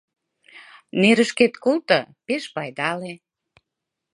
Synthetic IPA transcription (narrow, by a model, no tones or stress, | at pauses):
neɾəʃket̪kolt̪ɤpeʃpɑjd̪ɑle